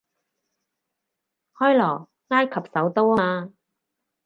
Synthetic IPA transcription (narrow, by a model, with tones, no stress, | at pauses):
hɔː˥jlɔː˨˩ | ŋaː˥jkʰɐ˨p̚sɐ˨˥wt̪o˥waː˧